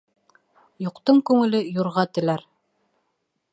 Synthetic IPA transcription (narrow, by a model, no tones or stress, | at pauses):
joqt̪ɤɴkʉŋɘ̆lɘjuɾʁɑt̪ɘ̆læɾ